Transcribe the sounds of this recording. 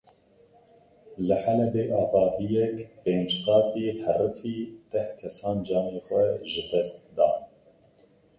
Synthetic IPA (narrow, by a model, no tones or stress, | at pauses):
lɨħælɛbeːʔɑːvɑːhijɛkpeːnd͡ʒkɑːt̪iːhɛrɨfiːt̪ɛhkʰɛsɑːnd͡ʒɑːneːxʷɛʒɨd̪ɛst̪̚d̪ɑ̰ːn